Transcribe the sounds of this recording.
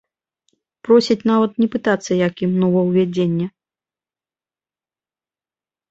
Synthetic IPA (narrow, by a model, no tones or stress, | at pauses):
pɾɔsʲit͡sʲnavɐt̪nʲɛpɨt̪at̪sːɐjakimnɔvɐwvʲad͡zʲenʲːɛ